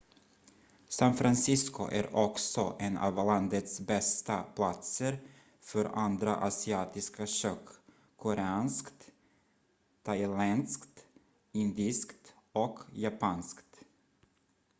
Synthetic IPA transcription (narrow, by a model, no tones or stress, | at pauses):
sanfɾansɪskʊ̰ʔæɾɔksɔʔɛnɑ̰ːvland̪ət̪sbɛst̪apʰlat̪səɾ | fœɾand̪ɾa̰ʔasɪɑːt̪ɪskaɕøːkːʰ | ʊɾɛɑːnskt̪ | t̪ʰaɪlɛnskt̪ | ɪnd̪ɪskt̪ | ɔkjapʰɑːnskt̪